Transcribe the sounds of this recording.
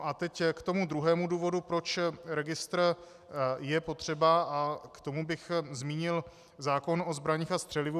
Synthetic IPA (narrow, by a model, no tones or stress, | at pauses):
ʔat̪ɛckt̪o̞mud̪ɾuɦɛːmuduːvo̞dupɾo̞t͡ʃɾɛɡɪst̪ɾ | jɛpo̞t̪r̝̥ɛbaʔakt̪o̞mubɪxzmiːɲɪl | zaːko̞no̞zbɾaɲiːxast̪r̝̥ɛlɪvu